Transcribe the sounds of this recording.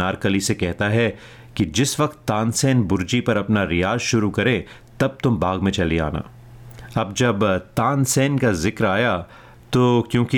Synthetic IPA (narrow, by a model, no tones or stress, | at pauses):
aːɾkəlisekɛɦt̪aɦɛ | kid͡ʒɪsʋɐkt̪ːaːnsɛːnbʊɾd͡ʒipɐɾɐpnaɾɪjaːzʃʊɾukɐɾẽ | t̪ɐb̚t̪ʊmbaːɡmẽt͡ʃɐlia̰ːna̰ː | ɐb̚d͡ʒɐbt̪aːnsɛːnkazɪkɾaːja | t̪oːkjõːki